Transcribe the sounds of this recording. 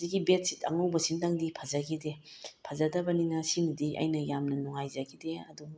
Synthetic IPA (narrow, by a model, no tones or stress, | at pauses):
ziɡibet̚sitɐ̰ŋawbɐsintɐŋdipʰɐzɐɡide | pʰɐzɐdɐbɐninɐsimidiʔɐ̰jnɐjamnɐnuŋajzɐɡideɐ̰du